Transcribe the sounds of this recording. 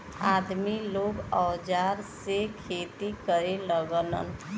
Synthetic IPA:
aːd̪miloːɡɔːd͡ʒaːɾsekʰeːt̪ikəɾeləɡələ̰n

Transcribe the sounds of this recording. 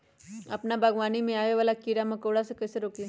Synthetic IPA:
ɐ̰pnabʱaɡʋaːnimẽaːʋeʋaːlakiɾamɐkoːɽasekɐseɾoːki

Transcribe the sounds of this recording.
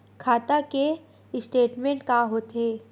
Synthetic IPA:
kʰaːt̪ake | ɪsʈeːʈmẽɳʈ̚kaɦoːt̪eː

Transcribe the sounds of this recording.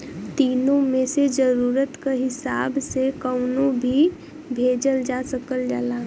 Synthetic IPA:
t̪iːnõmẽsed͡ʒəɾuːɾət̪kaɦɪsaːbsekəʊnõbʱi | bʱeːd͡ʒəld͡ʒaːsəkəld͡ʒaːlaː

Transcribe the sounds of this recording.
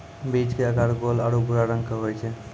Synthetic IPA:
bit͡ʃkeəkaɾɡolaɽubuɾaɾəŋkaɦojt͡ʃʰe

